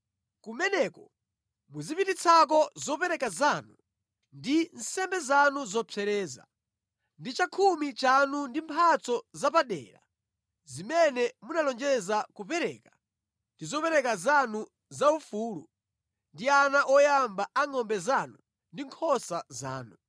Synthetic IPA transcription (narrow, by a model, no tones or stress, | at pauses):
kumɛnɛkɔ | muzipitit͡sʰak̬ɔzɔpɛɾɛkazaːnu | ndin̩sɛmbɛzanuzɔt͡sʰɛɾɛːza̰ | ndit͡ʃakʰumit͡ʃanundimpʰat͡sɔzapaɗɛ̰ːɾa̰ | zimɛnɛmunalɔnd͡ʒɛzakupɛɾɛ̰ːka | ndizɔpɛɾɛkazanu | zaufuːlṵ | ndianaʔɔjambaaŋɔmbɛzaːnu | ndiŋkʰɔsaza̰ːnu